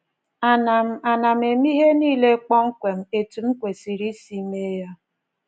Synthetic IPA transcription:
a˨na˨m̩˨a˨na˨m̩e˨m˦i˦ɦe˦niː˦˨le˦k͡pɔ˦ŋ͡m̩˦kʷe˨m̩˦e˨tu˨m̩˦kʷe˨si˨ɾi˦si˦me˦ja˦

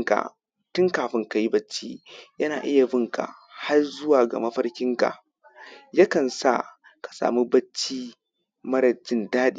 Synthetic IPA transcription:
ŋka̰˨ | tʊ˦ŋkaː˨ɸɪ˦ŋka˨ji˦bɐ˦t͡ʃːi˦jɐ˦naː˨ʔɪ˦ja˨bɪ˦ŋka̰˨ | ha˦rzʊ˦waː˨ɡa̰˨mɐ˦ɸɐ˦ɾkʲɪ˦ŋka̰˨ʔ | ja˦kɐ˨nsa̰˦˨ | kḁ˨sa̰ː˨mi˦bɐ˦t͡ʃːiː˦ | mɐ˦ɾɐ˨d͡ʒɪ˦ndaː˦ɗiː˦

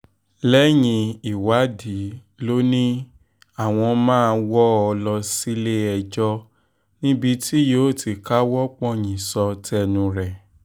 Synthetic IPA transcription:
lɛ˦jĩ˧i˨wa˨˦di˨˦ | lo˦nĩ˦ | a˦˨w̃ɔ̃˧mãː˦˧wɔ˦ɔ˧lɔ˧si˦le˦ɛ˧d͡ʒɔ˦˧ | nĩ˦bi˧ti˦joː˨˦˨ti˨˧ka˦wɔ˦k͡pɔ̃˦ɲĩ˨sɔ˧tɛ˧nũ˧ɾɛ˨

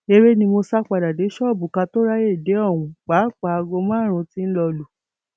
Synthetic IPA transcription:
e˧ɾe˦nĩ˧mo˧sa˦k͡pa˧da˨de˨˦ʃɔ˦˨bu˨ka˧to˦ɾa˦je˦˨de˨˦ɔ˦˨w̃ũ˧k͡paː˨˦˨k͡pa˨a˧ɡo˧mã˦˨ɾ̃ũ˧ti˦n̩˦lɔ˧lu˨

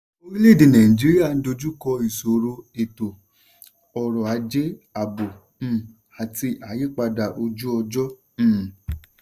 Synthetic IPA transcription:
o˧˦ɾĩ˦le˦˨de˨nã˨ĩ˨d͡ʒi˨˦ɾi˦a˦˨n̩˦do˧d͡ʒu˦kɔ˧i˨so˨ɾo˧e˨to˨ | ɔ˨ɾɔ˨a˨˦d͡ʒe˦a˨bõ˨˧ | a˨ti˧ʔa˨˦je˦k͡pa˧da˨ʔo˧d͡ʒu˦ɔ˧d͡ʒɔ̃˦˨

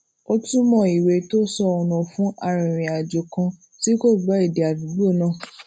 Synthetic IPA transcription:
o˧tũ˦mɔ̃˦˨i˨we˧to˦sɔ˧õ˨˧nɔ̃˨fũ˦ʔa˦˨ɾ̃ĩ˨ɾ̃ĩ˨a˨d͡ʒo˨kã˧ | ti˦ko˦˨ɡ͡ba˨˦i˦˨de˨a˨du˨bo˦˨nã˦˨

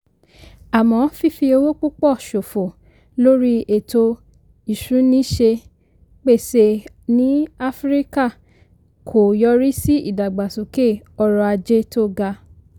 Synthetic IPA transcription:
a˨mɔ̃˨˦fi˦˨fi˧o˧wo˦k͡po˦k͡pɔ˦˨ʃo˨fo˨ | lo˦ɾi˦e˨to˧ | i˨ʃũ˨˦nĩ˦ʃe˧ | k͡pe˦˨se˧ | nĩ˨˦a˦fɾi˦ka˦˨ | kʰo˨jɔ˧˦ɾi˦si˦ḭ˦˨da˨ɡ͡ba˨su˨ke˦˨ | ɔ˧ɾɔ˧a˧d͡ʒe˦to˦˨ɡa˧

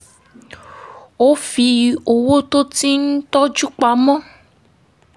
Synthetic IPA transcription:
o˦fi˧o˨wo˦to˦ti˦n̩˦tɔ˦d͡ʒu˦k͡pa˧˨mɔ̃˦

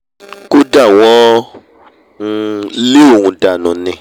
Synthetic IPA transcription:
ku˦da˦˨w̃ɔ̃˦˧ | li˦o˦˨ŋũ˨da˨nũ˨nɪ̃˨

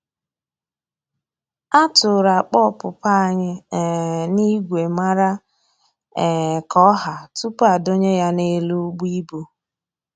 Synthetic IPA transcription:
a˦tʊ˨ɾa˨k͡pɔ˦˨pʊ˨pa˦˨ɲɪ˦˨ | ni˦ɡʷe˨ma˦ɾa˦˨ | kɔ˦ɦa˨tu˦pa˨do˦ɲe˦ja˦ne˦lu˦ɡ͡bi˦bu˦

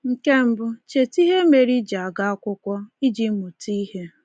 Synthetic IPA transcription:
ŋ̩˨ke˦m̩˦bʊ˦t͡ʃe˨ti˦ɦe˦me˨ɾi˦d͡ʒa˨a˨ɡa˦a˦kʷʊ˦kʷɔ˦i˦d͡ʒi˦mu˨ti˦ɦe˦

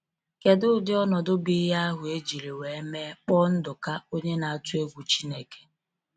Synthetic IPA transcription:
ke˨dʊ˦dɪ˦ɔ˦nɔ˨dʊ˦bi˦ɦa˦a˦ɦʊ˨e˦d͡ʒi˨ɾe˨we˨e˦me˦k͡pɔ˦n̩˦dʊ˨ka˦o˦ɲe˦na˨a˦˨tʊ˦e˦ɡʷu˨t͡ʃi˦ne˦ke̥˨

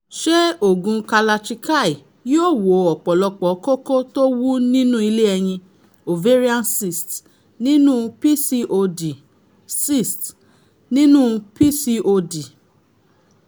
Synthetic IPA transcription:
ʃɛ˦o˨ɡũ˧ka˧la˧t͡ʃi˧ka˦˨i˨ | jo˦˨wo˨ɔ˨k͡pɔ˨lɔ˧k͡pɔ˨˦ko˦ko˦to˦wu˦nĩ˦nũ˦i˧le˦ɛ˧j̃ĩ˧ | o˨ve˦ɾi˦a˦nsi˨st | nĩ˦nũ˦pi˦si˧ʔo˧di˨ | si˦˨st | nĩ˦nũ˦pi˦si˧o˧di˨

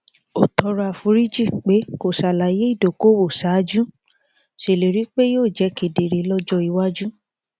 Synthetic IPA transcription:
o˨tɔ˧ɾa˧˨fũ˧˦ɾi˦d͡ʒi˦˨k͡pe˨˦ko˨sa˨la˨je˦i˦˨do˨ko˦wo˨sa˨˦d͡ʒũ˦ | ʃe˨le˨ɾi˨˦k͡pe˦joː˦˨d͡ʒɛ˨˧˦ke˨de˨ɾe˨lɔ˧d͡ʒɔ˧i˧wa˦d͡ʒũ˦

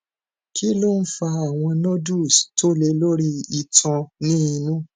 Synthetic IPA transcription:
ki˦lo˦˨n̩˦fa˧a˦˨w̃ɔ̃˧nɔ̃˦du˦˨sto˦le˧lo˦ɾi˦i˦˧˨tɔ̃˧nĩ˦i˧nũ˦

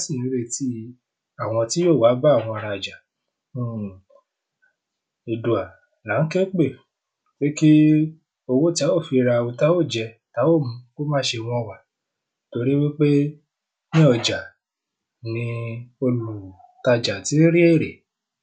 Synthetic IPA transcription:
si˦˨nĩ˨˦ɾe˧ti˦ | a˦˨w̃ɔ̃˧ti˦jo˦˨wa˨˦ba˦˨w̃ɔ̃˧a˧ɾa˧˨d͡ʒa˨˦˨ | i˨du˨a˨ | la˨˦n̩˦kɛ˦k͡pe˦˨ | k͡pe˦ki˦ | o˧wo˦ti˦a˦wo˦˨fi˧ɾa˧wo˧ta˦wo˦˨d͡ʒɛ˧ta˨˦wo˦˨mũ˨˧˦ko˦mãː˦ʃe˧w̃ɔ̃˧˨wa˨ | to˧ɾi˦wi˦k͡pe˦ | nĩ˦ɔ˨d͡ʒa˨ | nĩ˧o˧lu˨ | ta˧d͡ʒa˨ti˨˦ɾi˦e˦˨ɾe˨

